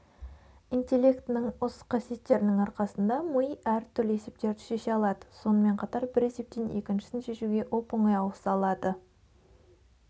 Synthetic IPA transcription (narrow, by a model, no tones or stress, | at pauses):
int̪ʲe̞lʲːe̞kt̪nɪŋʊsqʰɑsije̞t̪ːe̞ɾɪnɪŋɑɾqɑsənd̪ɑmʊjæɾt̪ʰʏɾləe̞se̞p̚t̪e̞ɾd̪ɪʃe̞ʃe̞ɑlˠɑd̪ə̥so̞nəme̞ɴqʰɑt̪ɑɾbɪɾese̞p̚t̪ene̞kʲɪnʃɪsɪnʃe̞ʃuɡʲe̞ʔopoɴɑjɑwəsɑlˠɑd̪ə